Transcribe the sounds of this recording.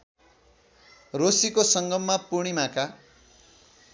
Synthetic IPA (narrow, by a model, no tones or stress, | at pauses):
rosikosʌŋɡʌmːapuɽ̃imaka